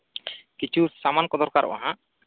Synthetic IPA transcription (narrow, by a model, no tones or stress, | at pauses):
kit͡ʃʰusamankɔd̪ɔɾkaɾʔɔ̰ʔa̰ɦãʔ